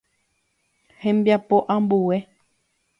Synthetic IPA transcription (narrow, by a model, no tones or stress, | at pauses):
hẽmbjapo̞ʔãmbuwe̞